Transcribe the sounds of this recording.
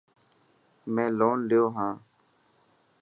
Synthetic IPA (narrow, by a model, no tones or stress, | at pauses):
mɛ̃ːloːnlɪjoːɦãː